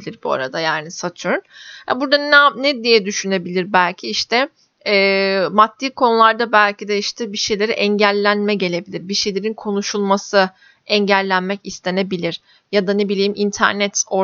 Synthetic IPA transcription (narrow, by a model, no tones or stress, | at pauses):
lʲiɾbua̰ɾa̰d̪ajaːnisat̪ʰuɾnha̰buɾd̪ananɛd̪ijɛd̪yʃyne̞bilʲiɾbælʲcʰiiʃt̪ʰɛ | ɛːmat̪ːiːkʰo̞nulˠaɾd̪abælʲcʰid̪ɛiʃt̪ʰɛbiʃe̞jlʲe̞ɾiʔɛɲɟælʲːænmɛɟe̞lʲe̞bilʲiɾbiʃe̞jlʲe̞ɾinkʰo̞nuʃulˠmasɯ | ɛɲɟælʲːænmɛcist̪ʰe̞ne̞bilʲiɾ̥ | jad̪ane̞bilʲijimʔint̪ʰæ̰ɾnɛt̪o̞